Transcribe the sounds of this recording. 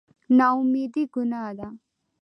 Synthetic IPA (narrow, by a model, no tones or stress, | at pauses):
naumid̪iɡunaːd̪a